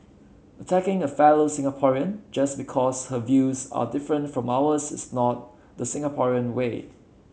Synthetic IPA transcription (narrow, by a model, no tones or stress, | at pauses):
ətʰækɪ̃ŋəfɛlosɪ̃ŋəpʰɔɹiə̃nd͡ʒʌsbikʰɔshəvjuza̰dɪfɹə̃ntfɹɔ̃mawəsɪ̰snɔt̚ | dəsɪ̃ŋəpʰɔɹiə̃nwe